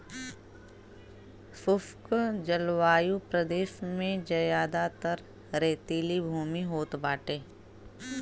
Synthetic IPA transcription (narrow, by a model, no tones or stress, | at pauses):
fʊfkd͡ʒəlʋaːjupɾəd̪eːʃmẽd͡ʒɐjaːd̪at̪əɾ | ɾeːt̪iːlibʱuːmiɦoːt̪baːʈeː